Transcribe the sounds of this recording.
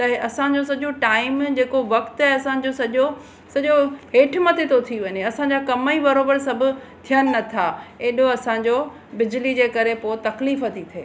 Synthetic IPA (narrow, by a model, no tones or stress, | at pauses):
t̪ɐɦɐsãd͡ʑos̬ɐʄoʈaːɪmd͡ʑeːkoʋɐkt̪ɦɐsã̆d͡ʑosɐʄo | sɐʄoɦeːʈʰmɐt̪ʰet̪ʰot̪ʰiʋɐɲeɐsãɲ̆d͡ʑaːkɐməibɐɾoːbəɾsɐbʱʊ̆ | t̪ʰijənɪ̆nɐt̪ʰaeːɗoɐsãd͡ʑo | bɪd͡ʑlid͡ʑeːkɐɾepot̪ɐkliːfət̪ʰit̪ʰeː